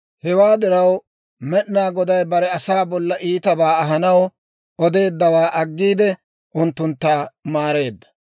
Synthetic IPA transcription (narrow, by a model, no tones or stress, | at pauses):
hɛwaːd̪ɪɾɐw | mɛɗnaːɡɔd̪ɐjbɐɾɛɐsaːbɔlːɐʔiːt̪ɐbaːɐɦɐnɐw | ʔɔd̪e̞ːd̪ːɐwaːʔɐɡːiːd̪ɛ | ʔʊnt̪ːʊnt̪ːaːmaːɾe̞ːd̪ːɐ̥